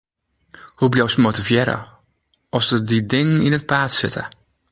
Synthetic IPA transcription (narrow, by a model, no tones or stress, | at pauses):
hublʲowsmotivjɛɾə̰ | ʔɔsədidɪŋəninət̚paːtsɪtʰə̰